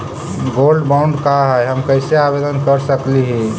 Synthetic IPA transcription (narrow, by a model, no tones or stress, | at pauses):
ɡolɖbaʊ̃ɳɖkaɦəjɦəmkəɪseabed̪ənkəɾsəkliɦĩ